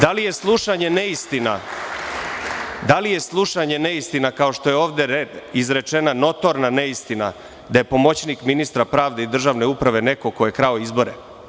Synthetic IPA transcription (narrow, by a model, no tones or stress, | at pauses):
d̪alije̞slˠuʃaɲe̞neist̪ina̰ | d̪alije̞slˠuʃaɲe̞neist̪inakao̞ʃt̪o̞je̞o̞ːʋd̪eɾed̪izɾe̞t͡ʃe̞nano̞t̪o̞ɾnaneist̪ina̰ | d̪aje̞po̞mo̞t͡ɕnikminist̪ɾapɾaːʋd̪e̞id̪r̩ʒaʋne̞upɾaʋe̞ne̞ko̞kojekɾaoizbo̞ɾe